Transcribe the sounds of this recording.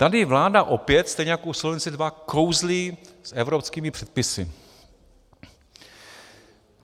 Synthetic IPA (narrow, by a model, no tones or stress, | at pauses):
t̪adɪvlaːdaʔo̞pjɛt̪st̪ɛjɲɛjakowslovɛnt͡sɪdvako̞wzlisʔɛvɾopskiːmɪpr̝̥ɛt̪̚pɪsɪ̰